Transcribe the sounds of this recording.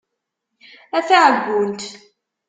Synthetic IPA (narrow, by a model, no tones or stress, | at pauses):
æθaʕəɡʷːʊnt̪